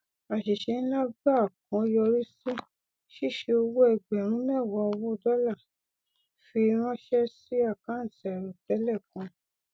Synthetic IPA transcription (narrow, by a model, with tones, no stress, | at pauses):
a˨ʃe˨ʃe˧˦nĩ˦la˦ba˦˨k̚ɔ̃˨˦jɔ˧ɾi˦si˦ | ʃi˦˨ʃe˧o˧wo˦ɛ˦˨ɡ͡bɛ˨ɾ̃ũ˦mɛ̃˦˨wɔ˧wo˦˧dɔ˦la˦˨ | fi˧ɾ̃ɔ̃˦ʃɛ˦si˦a˦˨kã˨˦n̩˨tɛ˨ɾ̃ũ˨tɛ˨˦lɛ˦˨kɔ̃˨˧˦